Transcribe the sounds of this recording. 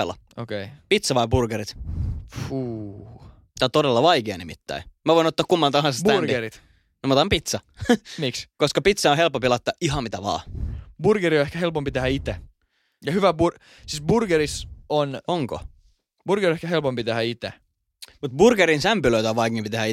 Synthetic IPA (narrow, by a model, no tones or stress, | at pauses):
lːɑ̰ | o̰keipit̪sɑʋɑiburɡ̥eɾit̪fuː | t̪ænt̪odelːɑʋɑikeɑ̰nimit̪ːæ̰imæʋoinot̪ːɑːkumːɑnt̪ɑhɑnsestb̪ærɡ̪eɾit̪ | nmot̪ɑmpit̪sɑmikskoskɑpit̪sɑõɦelpːompilɑt̪ːɑʔiɦɑmit̪æʋɑ̰ːburɡ̥eɾioehkæhelpompit̪ehæit̪e | jɑhyʋæbur | sisburɡ̥eɾisonoŋko̰ | b̥urɡ̥eriehkæɦelpompit̪ehæit̪e | mut̪burɡ̥eɾinsæmpyløit̪oʋʋɑikimpit̪ehæi